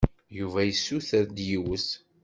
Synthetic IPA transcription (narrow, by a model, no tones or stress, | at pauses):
juvæjəsːuθəɾd̪jiwəs